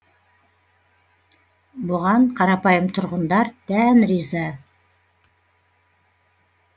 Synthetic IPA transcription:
bʊʁɑɴqʰɑɾɑpɑjəmt̪ʰŏɾʁə̆nd̪ɑɾt̪ænrizɑ

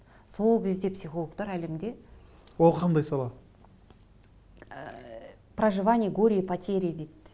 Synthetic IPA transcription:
so̞lˠkʲʰe̞zd̪e̞psʲixo̞lˠəkt̪ɑɾælemd̪e̞ | wolˠqʰɑnd̪ɑjsɑlˠɑ | prɐʐɨvanʲɪjəɡo̞ɾʲijəpɐt̪ʲʰe̞ɾʲijəd̪et̪ː

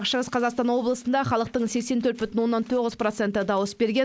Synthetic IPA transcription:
ʃəʁəsqʰɑzɑqst̪ɑnwo̞blˠəsənd̪ɑχɑlˠəq̚t̪əɴse̞kʲse̞nt̪ʰɵɾt̪bʏt̪ɪnwo̞nːɑnt̪ʰo̞ʁəzpro̞t̪se̞nt̪əd̪ɑwəsbe̞ɾɡʲe

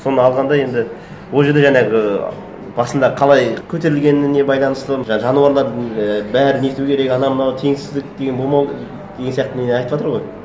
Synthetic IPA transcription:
so̞nəɑlˠʁɑnd̪ɑje̞nd̪ɪ | wo̞lˠʒe̞ɾd̪e̞ʒænɑɡʲɪ | b̥ɑsənd̪ɑqʰɑlˠɑjkʲʰɵt̪e̞ɾɪlɡʲe̞nɪne̞bɑjlˠɑnəst̪əʒʒɑnuɑɾlˠɑɾd̪əbæɾɪnet̪ukʲʰeɾe̞kɑnɑmənɑwt̪ʰeŋsɪzd̪ɪk̚d̪eɡebo̞lˠmɑw | d̪eɡensijɑq̚t̪ənenɑjt̪əpwɑt̪əɾʁo̞j

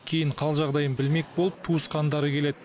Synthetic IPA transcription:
kʲʰe̞jɪɴqʰɑlˠʒɑʁd̪ɑjənbɪlme̞k̚ʲbo̞lˠəp̚t̪ʰuəsqɑnd̪ɑɾəkʲʰe̞led̪

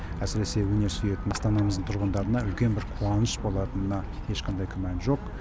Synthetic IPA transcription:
æsɪɾe̞se̞wɵne̞ɾsyje̞t̪ɪnɑst̪ɑnɑməzəɴt̪ʰʊɾʁənd̪ɑɾənɑʏlkʲe̞nbɪɾqʰuɑnəʃbo̞lˠɑt̪ənənɑ | je̞ʃqʰɑnd̪ɑjkʲʰʏmænʒo̞q

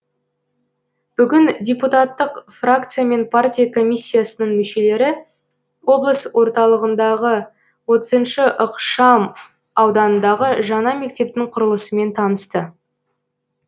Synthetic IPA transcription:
b̥ʏɡʲɪndʲeput̪at̪ːəqfrak̚t̪sɨjame̞npʰartʲijakʰo̞mʲijsʲːijasənəɴmʏʃe̞le̞ɾɪ | wo̞blˠəswo̞ɾt̪ɑlˠəʁənd̪ɑʁə | wo̞t̪əzənʃəʔəqʃɑm | ɑwd̪ɑnənd̪ɑʁəʒɑnɑme̞k̚t̪e̞p̚t̪ɪŋqʰʊɾəlˠəsəme̞nt̪ʰɑnəst̪ə

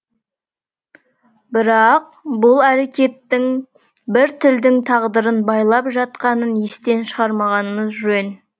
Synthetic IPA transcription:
bɪɾɑq̚ | bʊlˠæɾe̞kʲe̞t̪ːɪŋ | bɪɾt̪ʰɪld̪ɪŋt̪ʰɑʁd̪əɾənbɑjlˠɑpʒɑt̪qɑnənjest̪e̞nʃəʁɑɾmɑʁɑnəməzʒʏɾen

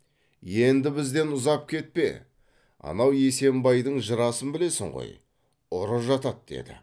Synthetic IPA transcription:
je̞nd̪ɪbɪzd̪e̞nʊzɑp̚kʲʰe̞t̪̚pe̞̰ | ɑ̰nɑwje̞se̞mbɑjd̪əɴʒəɾɑsənbɪle̞sɪŋʁo̰j | ʊɾəʒɑt̪ɑt̪̚d̪̥e̞̰d̪ɪ̰

